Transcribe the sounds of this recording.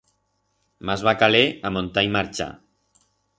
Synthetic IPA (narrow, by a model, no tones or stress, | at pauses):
mazβakaleamont̪aimaɾt͡ʃa̰